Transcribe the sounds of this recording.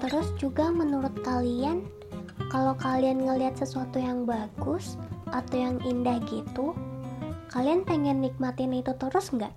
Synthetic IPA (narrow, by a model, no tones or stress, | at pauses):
t̪əɾʊsd͡ʒuɡamənuɾʊt̪̚kalian | kalawkalianŋəliɦat̪̚səsuat̪ujaŋbaɡʊsʔat̪awjaŋindahɡit̪u | kalianpeŋɛnːik̚mat̪ɪnit̪ut̪əɾʊsŋɡa̰ʔ